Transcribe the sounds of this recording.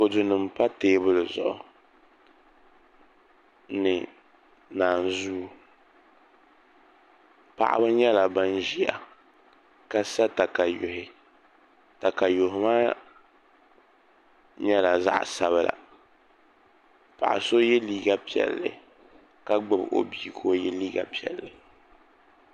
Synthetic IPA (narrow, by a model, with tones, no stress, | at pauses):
ko˨dɨ˨nɨ˨mpa˦teː˦bʊ˦lɨ˨zʊ̰˨ʔʊ˨ | nɨ˨ | naː˨n˨zu˦ | pa̰˨ʔa̰˦bɨ˦ɲɛ˦la˨ba˦nʒi˦a̰˨ | ka˦sa˦ta˨ka˨jo̰˨hɪ˨ | ta˨ka˨jo˨ɦɪ˨maː˦ | ɲɛ˦la˨za̰˦ʔsa˦βɨ˦la̰˨ | pa̰˨ʔa̰˨so˦jɛ˦liː˦ɡa˦pi˨ɛ̰˨lːɨ̰˨ | ka˦ɡ͡bɨ˨bʔo̰˦biː˦˨kʰo˦jɛ˦liː˦ɡa̰˨pi˨ɛ̰˨lːɨ˨